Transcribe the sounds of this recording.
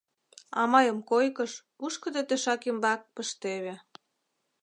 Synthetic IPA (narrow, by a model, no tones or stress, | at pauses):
ɑmɑjəmkojkəʃ | uʃkə̆d̪et̪eʃɑkimbɑk̚pəʃt̪eβe